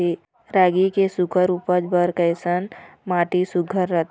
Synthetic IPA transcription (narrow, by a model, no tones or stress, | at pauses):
i | ɾaːɡikesʊkʰəɾuːpəd͡ʒbəɾkəɪsənmaːʈisʊɡʰʱəɾːət̪